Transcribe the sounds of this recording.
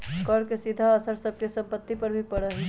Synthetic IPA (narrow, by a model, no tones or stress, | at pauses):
kɔɾkesid̪ʱaəsəɾsəb̚kesɐ̃mpət̪ːipɐɾbʱipəɽəɦ